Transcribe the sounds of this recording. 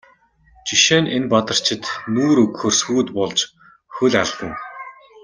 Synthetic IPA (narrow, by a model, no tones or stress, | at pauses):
t͡ɕiʃeːnʔenpat̪ə̆r̥t͡ɕʰɪ̆t̪nuːɾɵkxɵrsuːt̪pɔɮt͡ɕ | xɵɮarɮt̪ə̆ŋ